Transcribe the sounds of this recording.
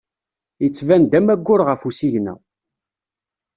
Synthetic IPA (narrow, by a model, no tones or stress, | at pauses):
jət͡sːvænd̪æmæɡʷːʊɾʁəfusiʝnæ̰